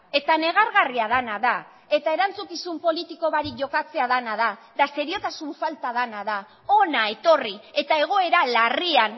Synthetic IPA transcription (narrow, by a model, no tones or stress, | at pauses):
e̞t̪ane̞ɣ̞aɾɣariað̞anaða | e̞t̪ae̞ɾant͡sukisumpo̞lit̪iko̞βaɾikʝo̞kat͡se̞aðanaðad̪ase̞ɾio̞t̪asuɱfalt̪aðanaða | o̞nae̞t̪o̞rie̞t̪ae̞ɣ̞o̞e̞ɾalarian